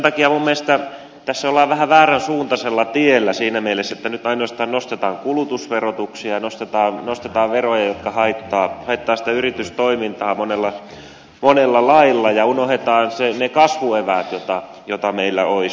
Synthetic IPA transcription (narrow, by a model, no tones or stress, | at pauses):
nt̪ɑkiɑmumːelest̪æ | t̪æsːæolːˑɑːʋʋæhæʋæːrænsuːnt̪ɑselːɑt̪ielːæsiːnæmielesːæet̪ːænyt̪ɑinoɑst̪ɑːnnost̪et̪ɑːŋkulut̪usʋerot̪uksiɑɑnost̪et̪ɑːnnost̪et̪ɑːʋʋerojɑjot̪kɑhɑit̪ːɑːhɑit̪ːɑːsi̥t̪æyrit̪yst̪oimint̪ɑːmonelːɑ | monelːɑlɑilːɑjɑunohet̪ɑːnsenekɑsʋueʋæːt̪jot̪ɑ | jot̪ɑmeilːæ̰oi